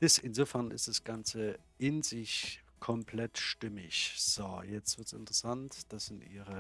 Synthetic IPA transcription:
d̥ɪsɪnzoːfɛɐnɪ̰std̥asɡ̥ant͡sə | ʔɪnzɪç | kʰɔmpʰlɛtʃtɪmɪçz̥ojɛt͡stv̥ɪɐtsɪ̰ntəʁəsantd̥asz̥ɪntʔḭːʁə

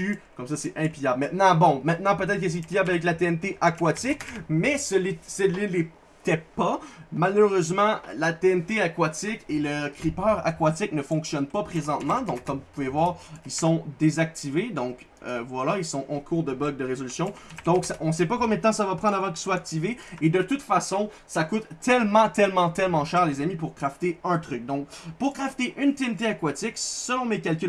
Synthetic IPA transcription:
ykɔmsasɛɛ̃pijabmɛ̃t̪nɑ̃bɔ̃mɛ̃t̪nɑ̃pøt̪ɛt̪χkəs̬ɛpijablavɛk̬lat̪eɛnt̪eʔakwat̪ɪkmɛsəlesɛlile | t̪ɛpamaløʁøzmɑ̃lat̪eɛnt̪eakwat̪ɪkeləkʲʁipœːʁa̰kwat̪ɪk̚nəfɔ̃ksjɔnpapχezɑ̃t̪mɑ̃d̪ɔ̃kʰːɔmvupuvevwaːʁilsɔ̃d̪ezak̚t̪ived̪ɔ̃k | ø̰vwalailsɔ̃ʔɑ̃kʰuːʁd̪əbɔɡ̚d̪əʁezɔlysjɔ̃d̪̥ɔ̃ksaʔɔ̃s̬ɛpakɔ̃mjɛt̪ɑ̃savapχɑ̃d̪ʁavɑ̃k̬ʲi̥swaːk̚t̪iveːd̪ət̪ut̪fasɔ̃ | sakʊt̪ːɛlmɑ̃t̪ɛlmɑ̃t̪ɛlmɑ̃ʃɛːʁlezamipuʁkʁaft̪eə̃t̪ʁʏk̚d̪ɔ̃k̚puʁkʁaft̪eʔynt̪eɛnt̪eakwat̪ɪksəlɔ̃mekʲalkʲy

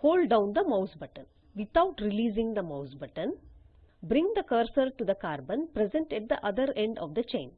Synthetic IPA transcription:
hoːlɖɖãʊ̃nd̪ɐmaʊsbɐʈə̃n | ʋɪt̪aʊʈɾɪliːzɪ̃ŋd̪ɐmaʊsbɐʈə̃n | bɾɪ̃ŋd̪ɐkəːɾsəɾʈud̪ɐkaːɾbə̃npɾɛzɛ̃ɳʈɛʈ̚d̪əʔɐd̪əɾẽɳɖɔ̰ʋd̪ɐt͡ʃẽɪ̃n

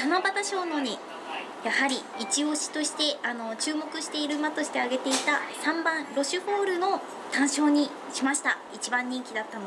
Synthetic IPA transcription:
tanobat̪aɕo̞ːno̞ɲ̟i | jahaɾʲiːt͡ɕio̞ɕi̥t̪o̞ɕi̥t̪e̞ano̞t͡ɕɨːmo̞kɯ̟ɕi̥t̪e̞iɾɯ̟mat̪o̞ɕi̥t̪e̞aɡe̞t̪e̞it̪asãmbãnɾo̞ɕɨɸo̞ːɾɯ̟no̞ | t̪ãɰ̃ɕo̞ːɲ̟i | ɕimaɕi̥t̪ait͡ɕibãɲ̟ːĩŋkʲid̪at̪ːanm

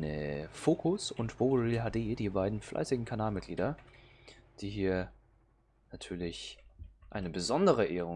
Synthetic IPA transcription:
əfoːkʰʊsʊntb̥ovəʁilɦaːdeːdiːbaɪdn̩flʔa̰ɪsɪɡŋ̩kʰanaːlmɪt̚ɡ̥liːdɐ | d̥iːɦiːɐ | natʰyːɐlɪçʔaɪnəbəzɔndəʁəʔeːʁʊ

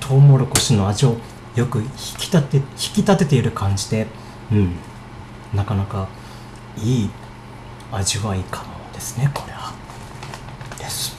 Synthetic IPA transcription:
t̪ʰo̞ːmo̞ɾɯko̞ɕino̞aʑio̞ | jo̞kɯ̟çi̥kʲi̥t̪t̪çi̥kʲit̪at̪e̞t̪e̞iɾɯ̟kãɲ̟d͡ʑid̪e̞ | ɯ̟̃ɴ | nakanaka | iː | aʑiβaikʰamod̪̥e̞sɨ̥ne̞kʰo̞̥ɾe̞βa | d̪̥esɨ̥

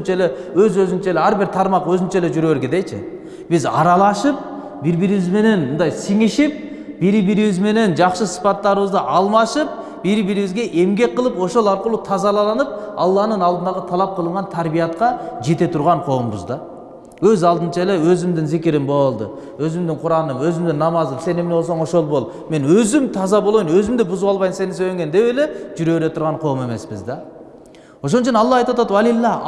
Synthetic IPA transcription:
nt͡ʃelewøzɵøzɪnt͡ʃeleæɾbɪɾt̪ʰɑɾmɑqwøzɪnt͡ʃele̞d͡ʒyɾeeɾɡʲed̪ejt͡ʃʰɪ̰ | b̥ɪzɑ̰ɾɑlˠɑʃɯp̚ | bɪɾbiɾiβɪzme̞ne̞nmənd̪ɑjsiŋɪʃɪp̚ | b̥iɾɪbiɾiβɪzme̞ne̞nd͡ʒɑqʃəsi̥pɑt̪ːɑɾəβəzd̪əʔɑlˠmɑʃɯp̚ | b̥iɾɪbiɾiβɪzɡʲe̞ʔe̞mɡʲe̞k̚ʲqʰːəlˠəpo̞ʃo̞lˠɑɾqəlˠut̪ʰɑzɑlˠɑlˠɑnəp̚ɑlˠːɑnənɑlˠd̪ənd̪ɑlˠɑt̪ʰɑlˠɑp̚qʰəlˠəɴʁɑnt̪ʰæɾbijɑt̪̚qɑʒe̞t̪e̞t̪ʰʊɾʁɑɴqʰo̞wəmbə̰zd̪ɑ | wɵzɑlˠd̪ənt͡ʃɑelewɵzɪmd̪ɪŋzɪkʲɪɾɪmbo̞lˠd̪ə̰ | wɵzɪmd̪ɪŋqʰʊɾɑnəmwɵzɪmd̪ɪnːɑmɑzənse̞nemnewo̞lsoɴoʃo̞lˠbo̞lˠ | me̞nwɵzɪmt̪ʰɑzɑbolˠojnwɵzɪmd̪ɪbʊzuwɑlˠbɑjnse̞nɪns̬øjleŋɡʲend̪e̞weleʒʏɾe̞weɾe̞t̪ʰʊɾʁɑɴqʰo̞me̞me̞sbɪ̰zd̪ɑ | wo̞ʃ̬onəʃɪnɑlˠːɑɑjt̪wɑt̪ɑt̪wælilˠːɑ

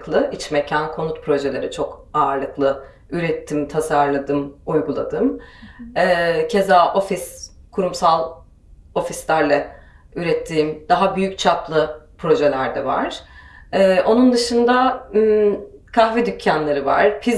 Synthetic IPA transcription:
klˠɯʔit͡ʃmecʰænkʰo̞nut̪pʰɾo̞ʒe̞lʲe̞ɾɛt͡ʃʰo̞kaːɾlˠɯklˠɯ | yɾɛt̪ʰːimt̪ʰasaɾlˠad̪ɯmujɡulˠad̪ɯm | ɛcʰe̞zaːʔo̞fis | kʰuɾumsalˠ | o̞fislʲæɾlʲˠɛ | yɾɛt̪ʰːiːmd̪̥aɦabyjyc̚t͡ʃʰaplˠɯpʰɾo̞ʒe̞lʲæɾd̪ɛva̰ɾ̥ɛːʔo̞nund̪ɯʃɯnd̪a | kʰaxvɛd̪ycʰːænlʲeɾiva̰ɾ̥pʰiz

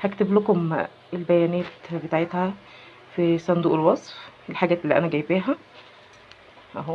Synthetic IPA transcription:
hækt̪eblokom | elbæjænæːt̪bet̪aʕet̪hæ | fisˤɑnd̪uːʔelwɑsˤfelħaɡæːt̪elːiːʔæ̰næɡæjbiːɦæ | ʔæɦo

